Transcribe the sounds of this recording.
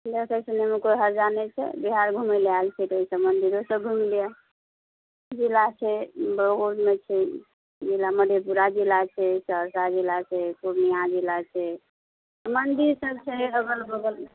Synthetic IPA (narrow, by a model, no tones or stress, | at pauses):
lekəsənemekojɦəɾd͡ʒanɛt͡ʃʰɛ̰biɦaɾɡʱuməlalt͡ʃʰɛt̪əisəmənd̪iɾosəb̚ɡʱumilija | d͡ʒilat͡ʃʰɛbəɡoɖmet͡ʃʰɛ | d͡ʒilːaməd̪ʱepuɾad͡ʒilːat͡ʃʰɛsəɾsad͡ʒilat͡ʃʰɛkuɾnijad͡ʒilat͡ʃʰɛ | mənd̪iɾsəb̚t͡ʃʰɛəɡəlbəɡəl